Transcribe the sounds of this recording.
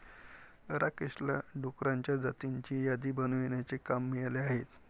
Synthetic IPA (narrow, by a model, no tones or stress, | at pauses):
ɾakeɕla̰ɖokɾaɲt͡ɕjad͡zat̪iɲt͡ɕiːjad̪iːbənʋeɳjat͡sekamːiɭaleaɦet̪